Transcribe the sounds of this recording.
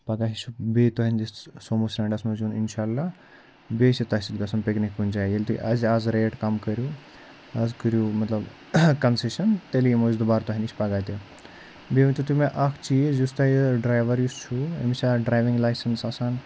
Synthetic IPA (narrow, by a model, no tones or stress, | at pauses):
pɐɡaɦit͡ʃʰubeːt̪uɦinʲd͡ʒissoːmusɾɐɳɖɐsmɐzuninʃaːlːa | besit̪ɐsit̪̚ɡɐsɐnpeknikːunʲt͡ʃajelʲt̪ṵʔɐzʲazɾeːʈkɐmkɐɾju | ɐzkəɾjumɐt̪lɐb | kɐnseʃɐnt̪elimozd̪ubaːɾt̪uɦiniʃʰpɐɡaːt̪ʲe | beʋʲt̪ut̪umeʔɐkʰt͡ʃiːzjust̪aiɖɾaːjʋɐɾjust͡ʃʰuḛmsaɖɾaːjʋiŋɡlaːjsɐnsɐsaːn